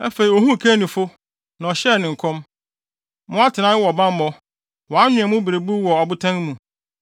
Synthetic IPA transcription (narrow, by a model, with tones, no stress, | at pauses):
æ̰˦fe˨i˨ɔ˨ɦũ˦˨kʰæ˦nĩ˨fʊ˦ | nã˨ɔ˨ɕɛ˦˨nɪ̃˨ŋ̩˨kʰɔ̃˦m | mʊ̃˦a˦tʰɪ˨nã˦ɪ˦wɔ˨bã˦m˦bɔ˦ | wɔ̃˨a˦ɲʊ̃˨ã˨mʊ̃˦be˨ɾe˨bu˦wɔ˨ɔ˨bʊ˦tʰã˦ŋ˦mũ˨